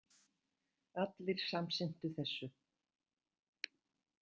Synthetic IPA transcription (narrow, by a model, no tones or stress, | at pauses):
at̪lɪɾ̥samsɪn̥t̪ʏθɛsːʏ